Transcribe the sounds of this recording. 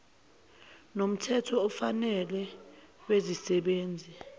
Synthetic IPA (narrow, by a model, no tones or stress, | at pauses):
nom̩tʰɛtʰɔːfanɛlɛ | wezisɛɓeːnd͡zʱi